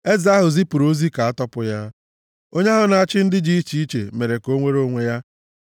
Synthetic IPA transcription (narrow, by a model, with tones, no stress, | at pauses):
e˦za˦ɦʊ˨zi˦pu˨ɾo˦zi˦ka˨a˦tɔ˦pʊ˦ja˦ | o˦ɲe˦ɦʊ˦na˨a˦˨t͡ʃɪ˦n̩˦dɪ˦d͡ʒi˦i˦t͡ʃi˦i˦t͡ʃḛ˨me˨ɾe˨ko˦ŋʷe˦ɾo˦ŋʷe˦ja˦